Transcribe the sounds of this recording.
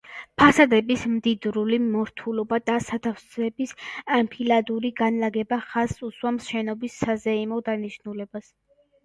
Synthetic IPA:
pʰasad̪ɛbismd̪id̪ɾulimɔɾt̪ʰulɔbad̪asat̪ʰafsɛbisampʰilad̪uɾiɡanlaɡɛbaχasuswamʃɛnɔbisːazɛimɔd̪aniʃnulɛbas

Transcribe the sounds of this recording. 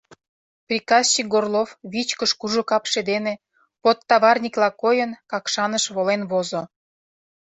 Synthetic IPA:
prʲikɑzt͡ɕik̚ɡorlofβit͡ɕkəʃkuʒokɑpʃed̪ene | pot̪ːɑβɑrnʲiklɑkojənkɑkʃɑnəʃβolenβozo

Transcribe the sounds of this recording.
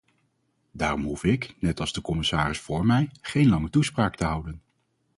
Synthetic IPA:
daːrɔmɦufɪknɛtɑlˠzdəkɔmɪsaːrɪsfʊːɹmɛjχejnlɑŋətuspraːktəɦʌwdən

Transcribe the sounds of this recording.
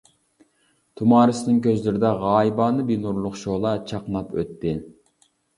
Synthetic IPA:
t̪ʰumɑːɾɨsɪnɪŋkʲʰøzlɪɾɪd̪ɛʁɑːibɑːnɨbinuɾlˠʊχʃolˠɑt͡ʃʰɑqnɑpʰø̰t̪ːɪ

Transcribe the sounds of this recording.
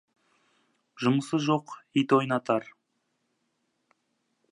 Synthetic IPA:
ʒʊməsəzʒo̞qijt̪ojnɑt̪ɑɾ

